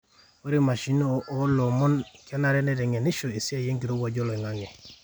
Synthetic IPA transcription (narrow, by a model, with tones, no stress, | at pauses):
o˦ɾi˦ma˨ʃi˦noː˦lo˨mɔ˦nke˦na˨ɾe˦ne˦de˨ŋe˨ni˦ʃo˨e˨si˦a˦˨je˦ŋki˨ɾo˦ɡa˨ɟo˦lo˨i˨ŋa˦ŋe˨